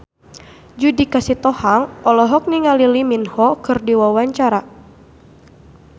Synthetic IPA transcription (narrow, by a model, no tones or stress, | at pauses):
d͡ʒudikasit̪ɔhaŋɔlɔɦɔk̚niŋaliliminhɔkɨrdiwawaɲt͡ʃaɾa